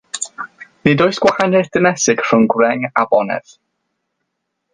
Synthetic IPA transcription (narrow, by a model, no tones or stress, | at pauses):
nɨdoɨsɡ̥wahanɪθd̥əmɛsɨɡ̥r̥ʊnɡwrɛŋabɔnɛ̰ð̥